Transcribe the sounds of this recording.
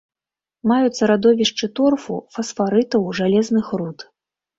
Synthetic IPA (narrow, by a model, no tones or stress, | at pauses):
majut̪sɐɾad̪ɔvʲiʂt͡ʂɨt̪ɔrfṵfɐsfaɾɨt̪ɐwʐalʲɛznɨxɾut̪